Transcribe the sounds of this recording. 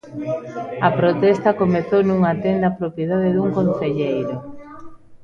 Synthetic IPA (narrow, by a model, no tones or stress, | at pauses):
ɐpɾot̪ɛst̪ɐkomeθownuŋat̪end̪ɐapɾopjeðaðeðuŋkonθeʎejɾʊ